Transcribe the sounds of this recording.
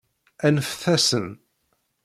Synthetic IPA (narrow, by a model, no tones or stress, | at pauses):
ænfθæsən